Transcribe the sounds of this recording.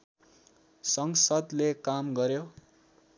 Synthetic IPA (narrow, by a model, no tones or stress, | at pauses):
sʌŋsʌd̪lekamɡʌɾjo